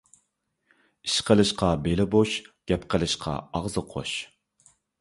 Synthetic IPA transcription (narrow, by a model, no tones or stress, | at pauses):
iʃqəlˠɨʃqɑbelɪboʃɡ̥ʲɛpqʰəlˠɨʃqʰɑ̰ɑʁzɨqʰo̰ʃ